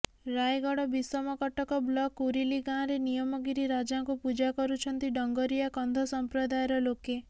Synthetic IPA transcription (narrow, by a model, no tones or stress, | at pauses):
ɾajɡɔɽɔbisɔmɔkɔʈɔkɔblɔkuɾiliɡãɾenijɔmɔɡiɾiɾad͡ʒaŋkupud͡ʒakɔɾut͡ʃʰɔnt̪iɖɔŋɡɔɾijakɔnd̪ʱɔsɔmpɾɔd̪ajɔɾɔloke